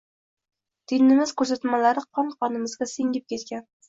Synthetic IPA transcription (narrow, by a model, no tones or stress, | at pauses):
t̪ʰenɪmɪz̥kʰɵɾsat̪malaɾɪqʰɒnqʰɒnɪmɪzɡʲasɪŋɪp̚kʲʰe̞t̪kʲan